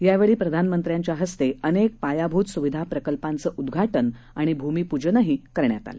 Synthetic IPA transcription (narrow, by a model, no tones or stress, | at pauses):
jaʋeɭiːpɾəd̪ʱanmənt̪ɾjaɲt͡ɕjaɦəst̪eənek̚pajabʱuːt̪suʋid̪ʱapɾəkəlpãnt͡səːʔud̪ɡʱaʈən | aɽ̃ibʱumiːpud͡ʑənəɦikəɾɳjat̪a̰le